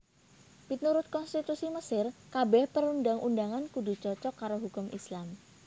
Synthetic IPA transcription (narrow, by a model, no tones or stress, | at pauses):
pit̪uɾʊt̪̚kɔnst̪it̪usiməsɪrkabɛhpəɾundaŋʔundaŋankud̪ut͡ʃɔt͡ʃɔkːaɾoɦukʊmʔislam